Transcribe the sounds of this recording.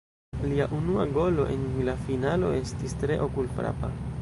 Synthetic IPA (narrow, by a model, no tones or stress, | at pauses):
liaʔunuaɡo̞lo̞̰ʔe̞̰nilafinalo̞̰e̞stistɾe̞ʔo̞kulfɾa̰pa̰